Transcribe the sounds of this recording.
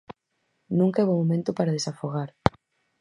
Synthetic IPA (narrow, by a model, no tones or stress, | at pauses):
nũŋkaɛβomomẽnt̪ʊpaɾaðesafoɣ̞aɾ